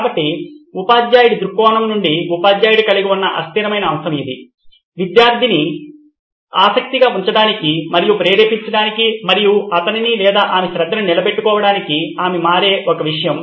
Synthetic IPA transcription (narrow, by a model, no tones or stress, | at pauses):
kaːbɐʈːiupaːd͡ʒ̪jaːjiɽid̪ɾukːɔːnɐmnuɳɖiupaːd̪jaːjɽikɐliɡiunːɐʔɐst̪iɾɐmɐjnɐːmsɐmid̪i | ʋid̪jaːɾd̪ʱini | aːsɐk̚t̪iɡaːuɲt͡ʃɐɽaːnikimɐɾijupɾeːɾeːpiɲt͡ʃɐɽaːnikimɐɾijuɐt̪ɐninilɛːd̪aːʔaːmeʃɾɐd̪ːɐnunilɐbe̞ʈːukɔːʋɐɽaːnikiaːmemaːɾeːʔɔkɐʋiʂɐjɐm